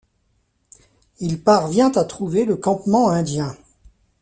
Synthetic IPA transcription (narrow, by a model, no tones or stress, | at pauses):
ilpaʁvjɛ̃t̪at̪χuveləkɑ̃pmɑ̃ɛ̃d̪jɛ̃